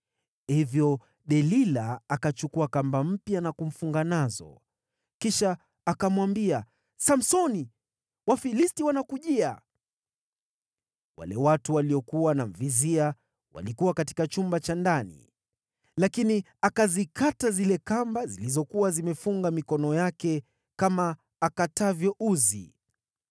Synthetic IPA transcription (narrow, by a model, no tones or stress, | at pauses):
hivjɔ | ɗɛlilaːkat͡ʃukuakambam̩pjanakum̩fuŋɡanazɔ̰ | kiʃaː | kamwambia | sam̩sɔni | wafilistiwanakuʄia | wa̰lɛwatuwaliɔkuwanam̩vizia | wa̰likuwakati̥kat͡ʃumbat͡ʃandanḭ | lakini | akazikatazilɛkambazilizɔkuwazimɛfuŋɡamikɔnɔjakɛ | kamaː | katavjɔʔuzḭ